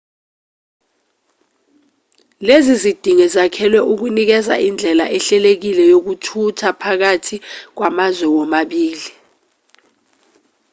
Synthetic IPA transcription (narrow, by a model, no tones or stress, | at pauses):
lezizid̥ʱiŋɛzakʰɛlwɛʔuk̬unik̬ɛza̰ʔind͡ɮʱɛla̰ʔɛɬɛlek̬ilɛjok̬utʰutʰapʰak̬atʰik̬wamazwɛwɔmaɓiːli